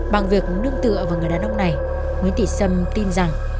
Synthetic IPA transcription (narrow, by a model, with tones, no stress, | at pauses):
ɓa˨˩ŋvi˨˩ək̚nɨ˧əŋt̪ɨ̰˧˨əvaː˨˩ŋ˨˩əjɗaː˨˦nʔə˧wŋ͡mna˨˩j | mwi˨˦nt̪ḭ˧˩sə˧˩mt̪i˧nza˨˩ŋ